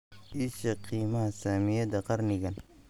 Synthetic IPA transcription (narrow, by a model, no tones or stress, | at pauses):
ʔiʃɐqiːmɐhɐsaːmɪjɐd̪ɐqɑrnɪɣɐn